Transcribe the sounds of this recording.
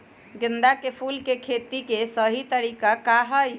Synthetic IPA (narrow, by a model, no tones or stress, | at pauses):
ɡɪnd̪akepʰulkekʰet̪ikesəɦit̪əɾikakaɦəj